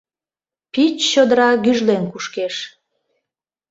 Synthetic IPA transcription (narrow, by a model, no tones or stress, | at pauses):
pit͡ɕːod̪əɾɑɣyʒlenkuʃkeʃ